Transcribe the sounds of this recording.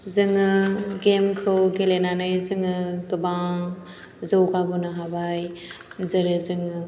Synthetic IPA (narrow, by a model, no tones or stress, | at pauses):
zɯŋɯɡemkʰɯwɡelenanɯjzɯŋɯtubaŋ | zɯwkabɯnɯɦabaj | zɯɾɯzɯŋɯ